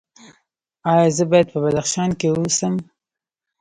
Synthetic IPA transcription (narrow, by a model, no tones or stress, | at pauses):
ɑjɑzəbɑjad̪̚pəbad̪axʃɑnkewuusəm